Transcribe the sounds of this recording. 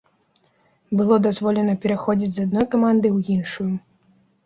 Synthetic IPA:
bɨlˠɔd̪azvɔlʲɛnɐpʲɛɾaxɔd͡zʲid͡zʲzad̪nɔjkamand̪ɨwjinʂuju

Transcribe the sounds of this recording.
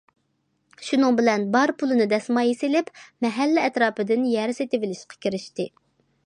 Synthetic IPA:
ʃunɨŋbɪlɛnbɑɾpʰulˠɨnɨd̪ɛsmɑjesɪlɪpmɛɦælːɪɛt̪ɾɑːpɨd̪ɪnjɛɾset̪ɪvɪlɪʃqɑ̥kʲiɾɪʃt̪ɪ

